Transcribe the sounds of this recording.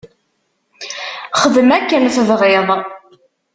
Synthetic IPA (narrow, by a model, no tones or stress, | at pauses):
χəðmækːənθəvʁeðˤ